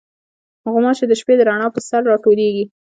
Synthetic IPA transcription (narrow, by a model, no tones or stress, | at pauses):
ɣʊmɑt͡ʃed̪əʃped̪əɾaɳɑpəsaɾːɑʈoleɡi